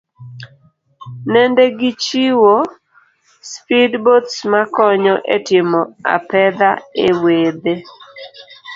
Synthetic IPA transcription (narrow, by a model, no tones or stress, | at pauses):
nɛndɛɡit͡ʃiwo | spidbotsmakɔɲɔʔetɪmɔa̰pɛd̪aewed̪e